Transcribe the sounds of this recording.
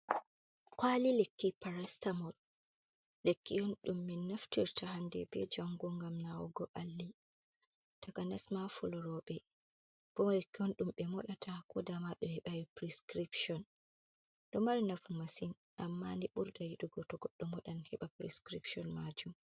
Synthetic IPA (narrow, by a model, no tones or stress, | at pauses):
kwalilekːipaɾastamɔ | lekːijɔnɗumːɛnːaftiɾtʰahandɛ̰bɛ̰d͡ʒaŋɡɔŋɡamnawɔ̰ɡɔʔalːi | takanasmafɔlɔɾɔɓɛ | b̥ɔmlekːiɔnɗumɓɛmɔɗatʰakɔdamaɗɔhɛɓawipɾiskɾipʃɔn | ɗɔmaɾinafumasin | ʔamːandiɓuɾdajiɗuɡɔtɔɡɔɗːɔmɔɗanhɛɓapɾɛskɾipʃɔnmad͡ʒum